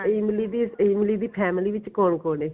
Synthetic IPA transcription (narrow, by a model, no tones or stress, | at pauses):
iːmliːd̪iːiːmɪliːd̪iːpʰɛːmɪliːʋɪt͡ʃkoːɳkoːneː